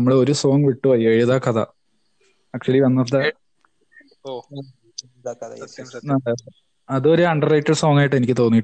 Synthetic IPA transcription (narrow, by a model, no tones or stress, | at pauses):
ɐmːɐɽeo̞ɾuso̞ːŋɡʋiʈːuʋɐjːɐɻiɐðaːkɐðɐ̰ | ɐk̚t͡ɕuɐliʋɐnːɐrt̪ːa | nɐe | ɐðuoɾuɐɳɖɐrɐjtːɐlso̞ːŋaːjiʈːe̞nikʲːɨt̪o̞ːnːiʈː